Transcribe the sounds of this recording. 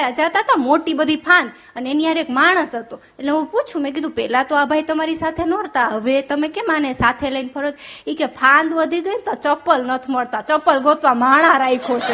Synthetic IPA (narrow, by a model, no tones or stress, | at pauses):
jad͡ʒat̪at̪amoʈibəd̪ʱipʰãnd̪ | əneeniaɾekmaɽ̃əsɦət̪o | eʈleɦũput͡ʃʰũmẽk̬id̪ʱũpɛlat̪oabʱajt̪əmaɾisat̪ʰenɔɾt̪aɦəʋet̪əmekemanesat̪ʰeləinpʰəɾod͡ʒikepʰãnd̪ʋəd̪ʱiɡənt̪ot͡ʃəpːəlnət̪ʰməɭt̪at͡ʃəpəlɡot̪ʋamaɽ̃ãɾaikʰot͡ʃʰe